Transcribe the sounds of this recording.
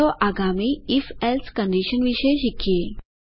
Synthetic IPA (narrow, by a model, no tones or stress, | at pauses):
ɔʔaɡamiːifelskəɳɖiɕənʋiɕejɕikje